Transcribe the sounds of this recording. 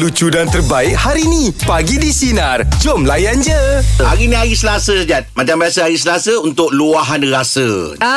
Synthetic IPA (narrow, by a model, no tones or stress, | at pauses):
lut͡ʃudant̪ərbaɪk̚haɾinĩpaɡidisinard͡ʒɔmlajand͡ʒəaɾinĩaɣisəlasəsad͡ʒat̪̚mat͡ʃambiasəaɾis̬əlasəunt̪ʊk̚luaɦanrasə